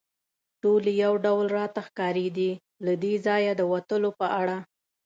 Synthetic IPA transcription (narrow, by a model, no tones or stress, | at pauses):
ʈolejawɖawlɾɑt̪axkɑɾeɡ̪i | lad̪ezɑjad̪əwat̪əlopəʔaɽa